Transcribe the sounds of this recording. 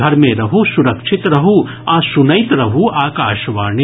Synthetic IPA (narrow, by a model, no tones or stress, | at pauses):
ɐɾmẽɾɐɦusuɾɐkʃʰɪt̪ɾɐɦu | aːsunɐjt̪ɾɐɦuaːkaːʃʋaːɾɳi